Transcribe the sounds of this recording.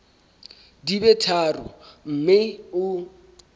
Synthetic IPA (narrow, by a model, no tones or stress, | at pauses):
dibɛtʰaːrʊ̰m̩mɪʊ